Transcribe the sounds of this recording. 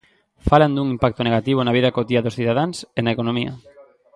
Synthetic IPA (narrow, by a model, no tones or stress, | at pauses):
faland̪uŋimpak̚t̪oneɣat̪iβ̞onaβ̞iðakot̪iaðosθiðaðaŋsenaekonõmiɐ̰